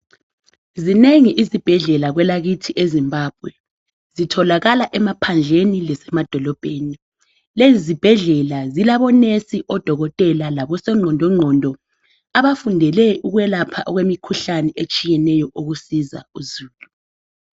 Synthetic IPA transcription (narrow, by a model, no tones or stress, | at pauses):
zineŋiʔizib̥ʱɛɮɛlaɣwɛlaɣitʰiʔezimbʱaːb̥̚ʱwɛ | zitʰɔlaɣalaʔɛmapʰand͡ɮʱenilɛsɛmad̥ʱɔlɔb̥ʱeːni | leizib̥ʱɛɮɛlazilaβɔnesiʔɔd̥ʱɔɣɔtʼɛlalaβɔsɛŋ͡ǀʱɔndʱɔŋ͡ǀʱɔndʱɔ | aβafundʱɛlɛʔuɣwɛlapʰaʔɔɣwemikʰuɬanɛʔet͡ʃʼijɛnɛjɔʔoɣusiza̰uzuːlu